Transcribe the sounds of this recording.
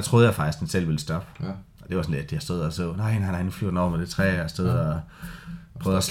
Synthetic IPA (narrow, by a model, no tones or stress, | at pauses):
ɑt͡sʰʁoð̩ˠjɑɪfɑ̈ɡ̥isɡ̥ensel̰ʋiləsd̥ɒb̥ə | ʔɒ̽d̥e̝ʋɑ̈sɒnle̝d̥̚d̥ihæsd̥oð̞̰ˠɒsonɑ̈ɪnɑ̈ɪnɑ̈ɪnuflyɐd̥nɒ̰med̥it͡sʰʁɛ̰ːsd̥eðˠɒ | pʰʁœːð̩ˠɒs